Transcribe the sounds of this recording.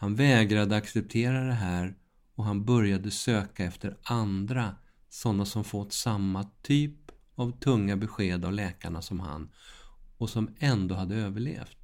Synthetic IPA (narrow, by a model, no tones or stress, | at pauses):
hanvɛːɡɾad̪əaksɛp̚t̪ʰeːɾad̪ɛɦæːɾ | ɔɦanbœɾjad̪əsøːkaɛft̪əɾand̪ɾa | sɔnːasɔmfɔt̪ːsamːat̪ʰyːp | avt̪ʰɵŋːabɛɧeːd̪avlɛːkaɳasɔmha̰n | ɔsɔmɛnd̪oːɦad̪ːəøːvəɭḛːft̪